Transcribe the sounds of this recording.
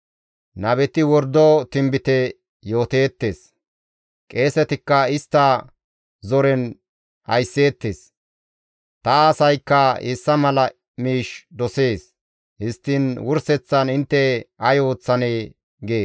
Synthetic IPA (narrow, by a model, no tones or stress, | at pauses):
nɐβɛt̪ɪwɔɾd̪ot̪ɪmbɪt̪ɛ | jo̞ːt̪e̞ːt̪ːe̞ːs | kʼe̞ːsɛt̪ɪkːɐɪst̪ːɐ | zɔɾɛn | ɐ̰jsːe̞ːt̪ːeːs | t̪ɐːsɐjkːɐɪsːɐmɐlɐ | miːʃd̪ɔse̞ːs | hɪst̪ːɪnwʊɾsɛt͡sːɐnɪnt̪ːɛɐjo̞ːt͡sːɐneː | ɡe̞ː